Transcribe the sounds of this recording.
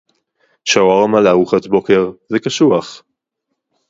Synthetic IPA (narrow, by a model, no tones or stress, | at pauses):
ʃaoaʁamalaʁuχat̪bokeʁzekaʃuaχ